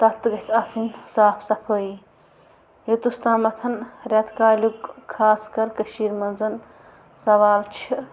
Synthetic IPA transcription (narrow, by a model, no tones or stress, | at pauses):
t̪ɐt̪ɡɐsʲɐsinsaːpʰsɐpʰoːi | jet̪ust̪aːmɐt̪ʰɐnɾjat̪kaːlʲukkʰːaːskɐɾkɐʃiːɾmɐnzɐn | sɐʋaːlt͡ʃʰi